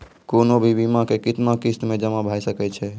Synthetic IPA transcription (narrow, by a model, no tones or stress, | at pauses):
konobʱibimãkekit̪nakist̪mẽd͡ʒəmabʱajsəkɛt͡ʃʰɛ